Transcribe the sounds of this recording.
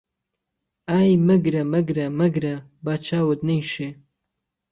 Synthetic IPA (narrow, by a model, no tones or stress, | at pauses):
aːjmɐɡɾɐmɐɡɾɐmɐɡɾɐ | baːt͡ʃʰaːwəd̪nɐjʃeː